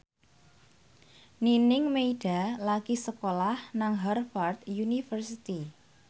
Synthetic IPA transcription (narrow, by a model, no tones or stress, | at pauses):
ninɪŋmeiɖ̥a̤laɡ̥isəkolahnaŋɦarfart̪junifərsit̪i